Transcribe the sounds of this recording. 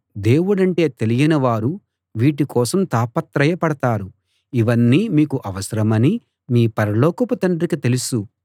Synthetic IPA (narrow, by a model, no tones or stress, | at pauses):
d̪e̞ːwuɽɐɳʈe̞ːt̪e̞lijɐnɐʋaːɾu | ʋiːʈikɔːsɐmt̪aːpɐt̪ɾɐjɐpɐɽɐt̪aːɾu | iʋɐnːiːmiːkuʔɐʋɐsɐɾɐmɐni | miːpɐɾɐlɔːkɐpɐt̪ɐɳɖɾikit̪e̞lusu